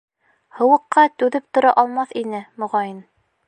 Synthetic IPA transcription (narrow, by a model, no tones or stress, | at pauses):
hɤ̆wɤ̆qːɑt̪ʉðɘp̚t̪ŏɾɑʔɒlˠmɑθinɘmŏʁɑjɘn